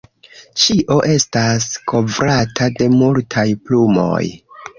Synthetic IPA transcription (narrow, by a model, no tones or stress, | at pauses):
t͡ʃiʔo̞ʔe̞stasko̞vɾatʰade̞multʰajplumo̞̰j